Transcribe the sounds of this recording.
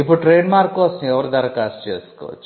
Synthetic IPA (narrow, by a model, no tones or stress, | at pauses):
ipːuɽuʈɾeːnmaːɾkːɔːsɐ̃mɛʋɐɾud̪ɐɾɐkaːsʈt͡ʃḛːsu̥kɔ̰ːʋɐ̰t͡ʃː